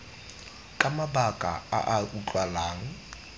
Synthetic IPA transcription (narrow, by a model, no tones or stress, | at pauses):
kʼamabakʼa̰a̰ʔaut͡ɬʼwalaːŋ̩